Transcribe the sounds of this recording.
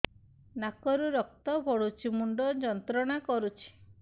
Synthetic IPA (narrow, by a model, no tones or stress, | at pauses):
nakɔɾuɾɔk̚t̪ɔbʱɔɽut͡ʃʰimuɳɖɔd͡ʒɔnt̪ɾɔɽ̃akɔɾut͡ʃʰi̥